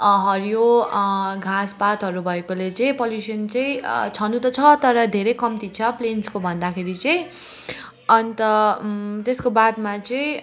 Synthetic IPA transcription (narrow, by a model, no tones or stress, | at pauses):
ɦʌɾjo | ɡʱaspat̪ɦʌɾubʱʌekolet͡sʌĩpoljusʌnt͡sʌĩt͡sʰʌnut̪ʌt͡sʰʌt̪ʌɾʌd̪ʱeɾʌjkʌmt̪it͡sʰʌplenskobʱʌnd̪akʰeɾit͡sʌj̃ | ʌnt̪ʌt̪eskobad̪mat͡sʌĩ